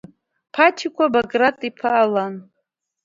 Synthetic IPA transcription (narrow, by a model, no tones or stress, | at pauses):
pʰatʰikʷʰabaɡratʼipʰaːlan